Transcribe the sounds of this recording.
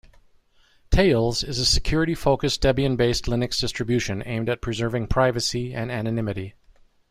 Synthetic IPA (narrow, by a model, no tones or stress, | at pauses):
tʰeɪlˠzɪzɨsɨkʰj̥ʊɹɨɾifoʊkɨsd̥ɛbiɨ̃nbeɪstˡlɪ̃nɨksd̥ɪstɹ̥ɨbjʉʃɨ̃nḛ̃ɪ̃mdɨt̚pʰɹ̥ɨzɜ˞vɪ̃ŋpʰɹ̥aɪvɨsiɨ̃nænɨnɪ̃mɨɾi